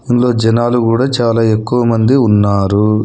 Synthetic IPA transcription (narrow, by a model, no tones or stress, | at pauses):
inlo̞ːd͡ʒɐnaːlukuːɽaːt͡ʃaːlaːe̞kːuʋɐmɐnd̪iunːaːɾu